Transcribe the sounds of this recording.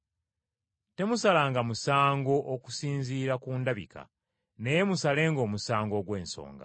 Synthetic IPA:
te̞musalaːŋɡamusaːŋɡo̞ʔoku̥siːnziːɾakuːndaβḭka̰ | ne̞je̞musale̞ːŋɡo̞ːmusaːŋɡo̞ɡwe̞ːnso̞̰ːŋɡa̰

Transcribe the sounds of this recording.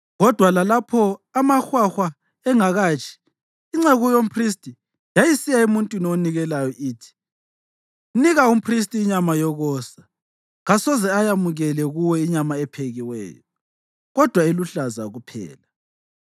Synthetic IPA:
ɣɔd̥ʱwalalapʰɔamaxwaxwa | ɛŋaɣaːt͡ʃʰʼi̥ː | ŋ͡ǀɛɣujom̩pʰristʼi | jajisijaemuntʼwinioniɣɛlajɔʔiːtʰi̥ | niɣaum̩pʰris̬tʼiːɲamajɔɣɔːsa | ɣasɔzɛajamuɣɛlɛɣuwɛiɲamaɛpʰeɣiwɛ̰ːjɔ | ɣɔd̥ʱwaeluɬazaɣupʰɛ̰ːla

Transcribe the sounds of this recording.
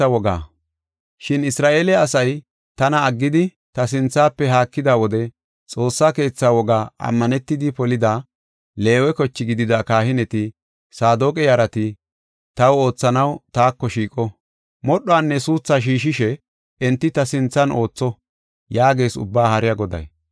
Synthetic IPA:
ɐwɔɡa̰ː | ʃɪnɪsɾaːʔe̞ːlɛɐsɐj | t̪ɐnɐːɡːɪd̪ɪ | t̪ɐs̬ɪnt͡sːaːpːɛɦaːkːɪd̪aːwɔd̪ɛ | t͡sʼo̞ːsːake̞ːt͡sːaːwɔɡaːʔɐ̰mːɐnɛt̪ːɪd̪ɪpɔlɪd̪aː | le̞ːwɛkɔt͡ʃːɪɡɪd̪ɪd̪akaːhɪnɛt̪ɪ | saːd̪okʼɛjɐɾɐt̪ɪ | t̪ɐwo̞ːt͡sːɐnɐwt̪aːkːɔʃiːkʼɔ | mɔɗːɔaːnːɛsuːt͡sːaːʃ̬iːʃɪʃɛ | ɛnt̪ːɪt̪ɐsɪnt͡sːɐno̞ːt͡sːɔ | jaːɡe̞ːsʊ̰bːaːhɐɾɪjaɡɔd̪ɐ̰j

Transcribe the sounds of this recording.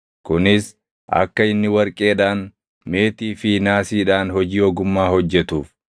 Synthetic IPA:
kʊnɪs | ʔɐ̰kːɐɪnːɪwɐɾkʼe̞ːᶑaːn | me̞ːt̪iːfɪnaːsiːᶑaːnhɔd͡ʒiːɔɡʊmːaːhɔd͡ʒːɛt̪uːf

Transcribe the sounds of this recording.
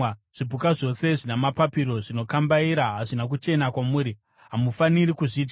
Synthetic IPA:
ʐ̥ibʱukaʐo̞se̞ʐinemapapiɾo̞ʐino̞kambaiɾaɦaʐinak̬ut͡ʃe̞nakwamuːɾi | ɦamufaniɾikuʐiːd͡ʒɡa

